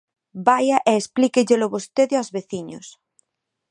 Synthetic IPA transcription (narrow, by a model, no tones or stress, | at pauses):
bajaʔeːsplikeʎelʊβost̪eðeazβeθiɲʊ̰s